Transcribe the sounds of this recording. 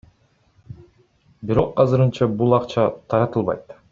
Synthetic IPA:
biɾo̞qːɑzɯɾɯnt͡ʃɑbulˠɑqt͡ʃɑt̪ʰɑɾɑt̪ɯlˠβɑ̰jt̪

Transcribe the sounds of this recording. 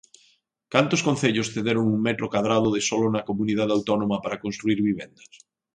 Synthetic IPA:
kant̪ʊskonθeʎʊsθeðeɾʊŋuŋmɛt̪ɾokaðɾað̞ʊðɪsɔlʊnɐkomuniðaðawt̪ɔnomɐpaɾɐkonst̪ɾuiɾβiβ̞ɛnd̪ɐs

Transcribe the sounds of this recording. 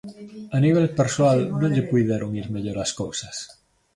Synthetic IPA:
aniβ̞elpeɾswalnõʎekuiðeɾoŋiɾmeʎoɾaskowsas

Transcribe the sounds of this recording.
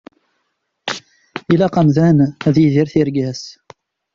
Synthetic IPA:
ilæqɑmðænæðjiðiɾθiɾɡæs

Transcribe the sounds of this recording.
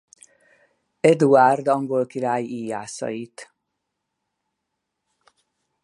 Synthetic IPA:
ɛd̪uard̪ɒŋɡolkiɾaːjiːjaːsɒ̰jit̪

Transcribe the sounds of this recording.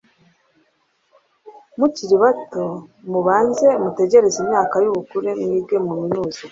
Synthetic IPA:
muciɾiβatomuβaːnze̞mute̞ɟe̞ɾe̞zimɲaːkajuβukuɾeniːb̚ɡe̞muminuːza

